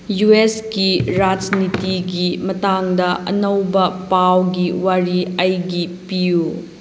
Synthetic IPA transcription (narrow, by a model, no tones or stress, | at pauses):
jueskiɾad͡ʒnitiɡimɐtaŋdɐʔɐ̰nɐwbɐpawɡiwaɾiɐjɡipiju